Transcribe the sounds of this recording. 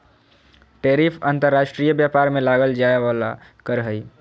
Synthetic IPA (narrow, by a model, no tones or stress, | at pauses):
ʈeɾipʰant̪əɾːaʃʈɾijəbjapaɾmelaɡəld͡ʒaeʋala̰kəɾɦəj